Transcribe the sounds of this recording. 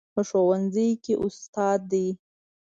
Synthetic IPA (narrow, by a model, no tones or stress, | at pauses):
pəʃowanzəjkeʔʊst̪ɑd̪ːi